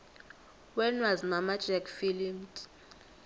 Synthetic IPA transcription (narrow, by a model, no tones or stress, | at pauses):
wɛnwazmamḁd͡ʒɛkfilimt